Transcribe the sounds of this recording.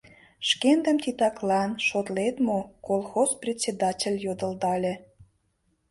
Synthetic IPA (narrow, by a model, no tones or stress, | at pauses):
ʃkend̪ə̆mt̪it̪ɑklɑnʃot̪let̪mokolˠxosprʲetʲt͡sʲed̪ɑtʲelʲjod̪ə̆ld̪ɑlʲĕ